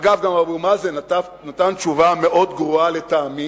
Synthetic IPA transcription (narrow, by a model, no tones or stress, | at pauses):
ɡavɡamabumazenatanat̪ant̪t͡ʃuvame̞ʔo̞d̪ɡʁoale̞t̪aːmi